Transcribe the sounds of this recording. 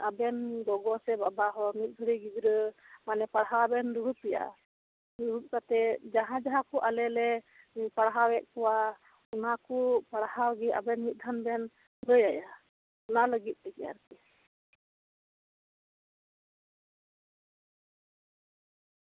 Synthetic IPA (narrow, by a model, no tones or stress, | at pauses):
abɛnɡɔɡɔsɛbabaɦɔmit̪̚ˀɡ̪ʱəɽiɡid͡ʒɾəmanɛpaɽɦabɛnɾuɾut̪̚pɛja̰ | ɾuɾut̪̚kat̪ɛd͡ʒaɦãd͡ʒaɦãkɔʔalɛlɛ | paɽɦawɛʔ̪̚kɔwa | unakupaɽhawɡɛa̰bɛnmit̪̚ˀd̪ʱanbɛn | ɾəjaja | ɔnaləɡit̪̚ˀtɛkja̰ɾk̪ɛ